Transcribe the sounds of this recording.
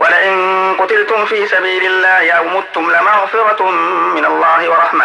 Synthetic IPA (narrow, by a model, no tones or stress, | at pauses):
walaʔɪnqʊt̪ɪlt̪ʊmfiːsabiːlɪlːaːhɪʔawmʊt̪ːʊmlɪmaɣfɪɾˤɑt̪mɪnalˤːɑːhɪwɑɾˤɑħma